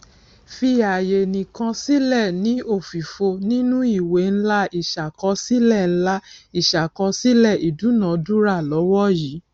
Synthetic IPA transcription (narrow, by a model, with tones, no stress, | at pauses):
fi˧a˨je˨nĩ˨kã˧si˦lɛ˦˨nĩ˨˦o˦˨fi˨fo˧nĩ˦nũ˦i˦˨we˨˦n̩˦la˦i˦˨ʃa˨kɔ˧si˦lɛ˦˨n̩˦la˦i˨ʃa˨kɔ̃˧si˦lɛ˦˨i˨du˨˦nã˨˦du˦ɾa˦˨lɔ˨˦wɔ˦ji˨˦